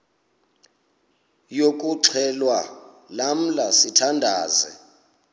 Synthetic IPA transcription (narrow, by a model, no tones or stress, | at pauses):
jok̬ʼuǀʰɛlwa | lam̩lasitʰandʱaːzɛ̰